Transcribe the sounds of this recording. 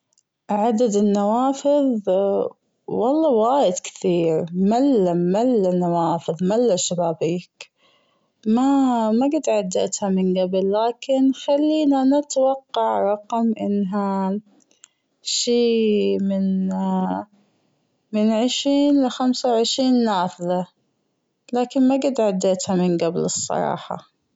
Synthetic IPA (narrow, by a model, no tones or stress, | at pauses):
ʕad̪ad̪ɪnːawaːfɪðˤ | wɑlˤːɑwaːjɪd̪kɪ̥θiːɾmalːamalːanawaːfɨðˤmalːaʃabaːbiːk | mamaɡɪd̪ʕad̪ːa̰t̪hamɪnɡablːaːkɪnxalːiːnanat̪wɑqːɑʕɾˤɑqmʔɪnːɦa | ʃiːmɪn | mɪnʕɪʃɾiːnlɪxamsawʕɪʃɾiːnːaːfða | laːkɪnmaɡɪd̪ʕad̪ːeːt̪hamɪnɡablɨsˤːɑ̰ɾˤɑ̰ːħɑ̰